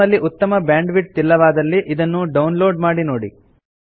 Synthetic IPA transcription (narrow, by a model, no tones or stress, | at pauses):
ɐlːiʔut̪ːɐmɐbjaːɳɖʋiʈ̚t̪ilːɐʋaːd̪ɐlːiʔid̪ɐnːuɖɐwnlo̞ːɖmaːɽinoːɽḭ